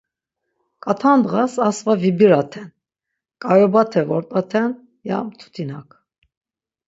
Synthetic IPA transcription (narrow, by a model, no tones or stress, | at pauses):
kʼat̪ʰand̪ʁasasvavibiɾat̪ʰɛn | kʼajɔbat̪ʰɛvɔɾt̪ʼat̪ʰɛn | ja̰mt̪ʰu̥t̪ʰinakʰ